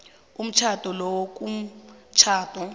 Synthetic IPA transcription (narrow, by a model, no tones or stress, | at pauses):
um̩t͡ʃʰatɔlɔwɔk̬ʼum̩t͡ʃʰaːtʼɔ